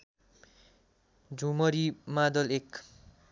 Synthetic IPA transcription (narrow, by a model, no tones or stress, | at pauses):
d͡zʱumʌɾimad̪ʌlek